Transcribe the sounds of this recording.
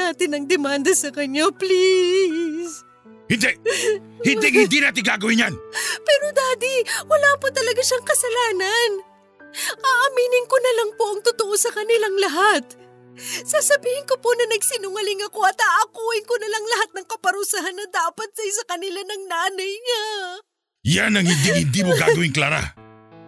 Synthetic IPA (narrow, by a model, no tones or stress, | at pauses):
aːt̪ɪnɐŋd̪ɛmand̪ɐsɐkɐɲːapli | s | hɪnd̪ɛhɪnɛŋhɪnd̪inaːt̪̬ɪŋɡaːɡɐwɪnja̰npɛːɾo̞d̪aːd̪iwɐlaːpot̪ɐlɐɡaʃaŋkɐsɐlaːnɐn | ʔaʔɐmiːnɪŋkonɐlaŋpoʔɐŋt̪ʊt̪oʔo̞sɐkɐnɪlaŋlɐɦat̪ | saːsɐbiːhɪnkoponɐnɐɡsɪnʊŋɐlɪŋɐko̞ɐt̪aʔɐkuːʔɪnkonɐlaŋlɐɦat̪̚nɐŋkɐpɐɾusaɦanːɐd̪aːpɐt̪̚sɐɪsɐkɐnɪlanɐŋnaːnɐjŋa | janɐŋhɪnd̪ɪŋhɪnd̪imoɡa̰ːɐwɪŋklaːɾa̰